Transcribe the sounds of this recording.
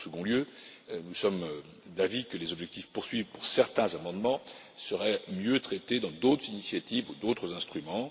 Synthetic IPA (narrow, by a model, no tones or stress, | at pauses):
səɡɔ̃ljønusɔm | d̪avikəlezɔbʒɛk̚t̪ifpuʁsɥivpuʁsɛʁt̪ɛ̃zamɑ̃d̪mɑ̃ | səʁɛmjøt̪χɛt̪ed̪ɑ̃d̪ot̪χəzinisjat̪ivud̪ot̪χəzɛ̃st̪χymɑ̃